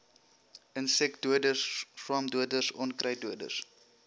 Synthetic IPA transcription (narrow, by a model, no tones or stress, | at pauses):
ʔənsɛkduədəsswɑmduədəsɔnkrɐjduədə̰s